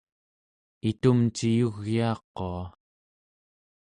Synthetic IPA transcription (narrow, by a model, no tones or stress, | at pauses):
it̪umt͡ʃijuɣjiːqːoa